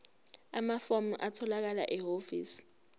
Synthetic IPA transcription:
amafomuʔatʰɔlak̬ala̰ʔɛɦofḭːsi̥

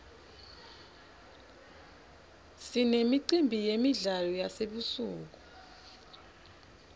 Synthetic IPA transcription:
sinemiǀimbʱijemiɮalɔjaseɓusuːk̬u̥

